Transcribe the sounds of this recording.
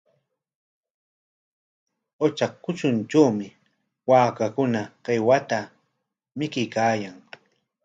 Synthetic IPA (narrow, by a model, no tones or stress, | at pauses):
ot͡ʃakːʊt͡ʃʊnt͡ʃawmɪ | waːkakʊnaɢewat̪a | mɪkɪjkaːjaŋ